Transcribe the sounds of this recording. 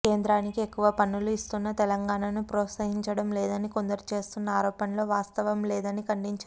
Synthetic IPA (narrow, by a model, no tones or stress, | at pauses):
ke̞ːnd̪ɾaːnikie̞kːuʋɐpɐnːuluist̪unːɐt̪ɛlɐŋɡaːnaːnupɾɔːt̪sɐɦiɲt͡ʃɐɽɐmlɛːd̪ɐnikond̪ɐɾut͡ʃe̞ːst̪unːɐaːɾɔːpɐnlo̞ːʋaːst̪ɐʋɐmlɛːd̪ɐnikɐɳɖiɲt͡ʃa